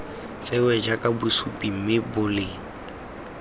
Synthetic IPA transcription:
t͡sʼɪwɛd͡ʒakʼabʊsupʼim̩mɪbʊlɪ

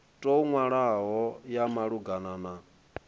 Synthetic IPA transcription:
tʼouŋwaɺaɦɔjamaɺuɡanana

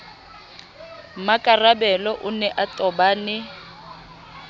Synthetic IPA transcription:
makʼarabɛlɔʔʊnɛʔatʼɔbaːnɪ

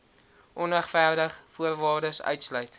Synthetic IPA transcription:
ʔɔnəχfæːrdəχfuərvɑːrdəsœ̰ɥtslœɥt

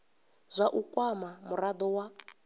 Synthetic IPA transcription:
zʷaʔukʼwamamurad̪ɔwa

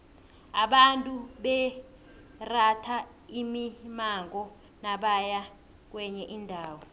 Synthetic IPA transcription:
aɓantʼuɓɛ | ratʰa | imimaŋɔ | naɓaja | k̬wɛɲɛʔindʱaːwɔ

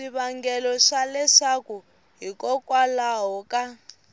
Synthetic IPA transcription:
iβaŋɡɛlɔʂalɛʂaku | ɦikɔkʼwalaɦɔka

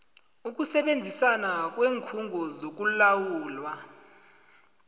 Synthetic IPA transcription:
uk̬usɛɓend͡zʱisanak̬weːŋkʰuŋɡʱɔzok̬ulawuːlwa

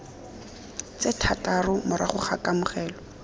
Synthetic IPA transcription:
t͡setʰatʼarʊmʊɾa̰χʊχakʼamʊχɛːlɔ

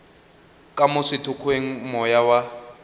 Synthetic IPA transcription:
kʼamʊsɪtʰʊkʰweŋ̩mɔjawa

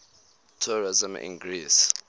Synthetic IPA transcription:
tʰuɹizĩmḭ̃nɡris

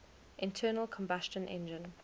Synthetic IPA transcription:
ʔɪ̃ntʰɜːnəlˠkʰɔ̃mbast͡ʃə̃nʔɛ̰̃nd͡ʒɪ̃n

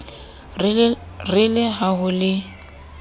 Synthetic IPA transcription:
rɪlɪɦaɦʊlɪ

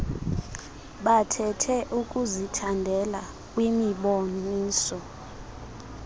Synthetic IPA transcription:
ɓatʰɛtʰɛʔukʼuzitʰandʱɛla | kʼwimiɓoniːsɔ

